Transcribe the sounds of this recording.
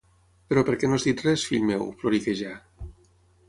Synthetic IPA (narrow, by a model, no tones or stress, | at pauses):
peɾɔpeɾkenozd̪it̪resfilmewfloɾikeʒa